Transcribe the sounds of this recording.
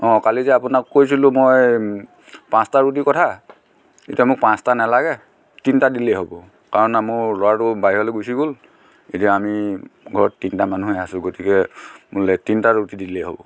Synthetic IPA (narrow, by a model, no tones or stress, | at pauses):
ɔ̃kalizɛapʊnakkːojsilʊ̃moj | pãstaɹut̬ikɔtʰa | etijamʊk̚pãstanalaɡɛ | tintadilɛɦobɔ | kaɹɔnamʊɹlɔwatʊbaɦiɦɔleɡujsiɡol | etijaamiɡʱɔɹɔtːintamanuɦɛasʊ̃ɡotikɛmulɛtintaɹutidilɛɦo̰bɔ̰